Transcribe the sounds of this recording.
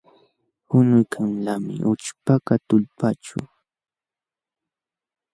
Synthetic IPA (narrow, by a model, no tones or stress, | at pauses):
hʊnʊjkʰamlamɪ̰ʔʊt͡ʃpakat̪ʊʎpat͡ʃʊ̰